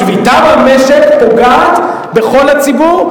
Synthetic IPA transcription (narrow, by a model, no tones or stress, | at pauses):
vit̪avameʃekpoɡat̪ | be̞χo̞lhat͡sibuʁ